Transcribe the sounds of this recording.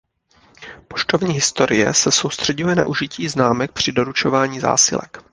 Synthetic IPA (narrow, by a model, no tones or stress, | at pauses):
poʃt̪ovɲiːɦɪst̪o̞ɾɪjɛ̰sɛso̞wst̪r̝̥ɛɟujɛna̰ʔuʒɪciːznaːmɛk̚pr̝̥ɪdo̞ɾut͡ʃo̞vaːɲiːza̰ːsɪ̰lɛ̰k